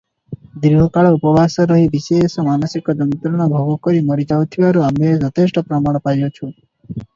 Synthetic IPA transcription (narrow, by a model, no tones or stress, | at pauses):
d̪iɦɔkaɭɔupɔbʱasɔɾɔɦibisesɔmanɔsikɔd̪ɔnt̪ɾɔɽ̃ɔbʱɔɡɔkɔɾimɔɾid͡ʒawt̪ʰibaɾuamed͡ʒɔt̪ʰesʈɔpɾɔmaɽ̃ɔpajɔt͡ʃʰu